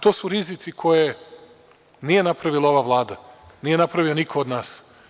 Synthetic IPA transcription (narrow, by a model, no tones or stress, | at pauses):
t̪o̞ːsuɾizit̪sikʰo̞je | nije̞napɾaʋilao̞ʋaʋlˠaːd̪a | nije̞napɾaʋio̞nikʰood̪naːs